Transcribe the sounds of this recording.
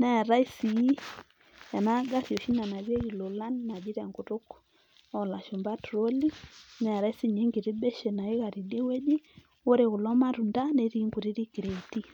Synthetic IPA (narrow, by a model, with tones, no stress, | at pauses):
nɛ˦˨ɾa˦i˦si˨ji˦ | a˨na˦ɡa˦ɾi˨o˨ʃi˦na˨na˨βje˦ji˨lo˨la˦nna˨d͡ʒi˦ɾɛ˨ŋɡʊ˨ɾʊ˦k | ɔ˦˨la˨ʃʊ˨mba˦tɾo˦li˦nɛ˦˨ɾa˦i˦si˦˨ɲe˦ŋɡɪ˨ɾɪ˦bɛ˦ʃe˨na˨ɪ˦ɣa˨ɾi˨de˦we˦d͡ʒɪ˦ | wo˦ɾe˨ɣʊ˨lɔ˦ma˦ɾu˨nda˦ne˨ɾi˦ŋɡu˨ɾi˦ɾi˦ki˨ɾe˨ti˦